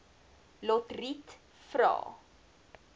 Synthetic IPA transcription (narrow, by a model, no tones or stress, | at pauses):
lɔtrit | fɾɑ̰ː